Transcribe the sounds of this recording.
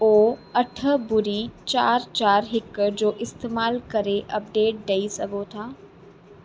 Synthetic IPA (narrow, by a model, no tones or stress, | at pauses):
oːɐʈʰəbʊɾit͡ʃaːɾt͡ʃaːɾɦɪkd͡ʑoːʔɪst̪eːmaːlkɐɾeʔɐp̚ɖeːʈ̚ɖeisɐɡot̪ʰaː